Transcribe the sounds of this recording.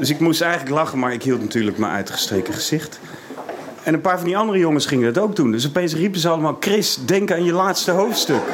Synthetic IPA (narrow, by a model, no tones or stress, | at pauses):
dɵsɪkmustɛjχələklɑχənmaːɹɪkɦilˠtnatyːɹləkmə̰ʔœ̰ɥtχə̥strejkəχəz̥ɪχt | ɛnənpaːɹvɑndiɑndərəjoŋəsχɪŋədɑtowɡ̚dundɵs̬ɔpejns̬ripəzəɑləmaːlˠkrɪsdɛŋkəaːnjəlaːtstəɦowftstɵk